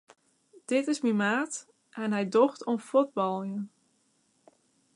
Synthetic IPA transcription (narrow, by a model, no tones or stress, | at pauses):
d̥ɪtɪsmimaːt | ʔɛnɦɛjdɔxtonfod̚bɔlˠjən